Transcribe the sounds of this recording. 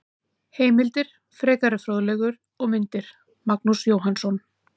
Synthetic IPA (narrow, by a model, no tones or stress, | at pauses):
heːjmɪlt̪ɪɾ̥ | fɾɛːkaɾʏfɾoːðlɛɣʏɾ | ɔɣmɪnt̪ɪɾ̥ | maknusjoːwɦansɔn